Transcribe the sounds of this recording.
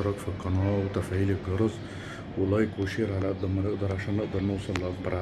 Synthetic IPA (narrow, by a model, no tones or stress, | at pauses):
ɑɾˤɑkfilqːɑnɑːwt̪æfʕiːlɪɡɑɾˤɑz | wɪlɑjkwɪʃiːɾʕalʔæd̪ːɑmænɪʔd̪ɑɾˤʕaʃæːnːɪʔd̪ɑɾˤnʊwsˤɑlːʔɑk̚bɑɾˤʕ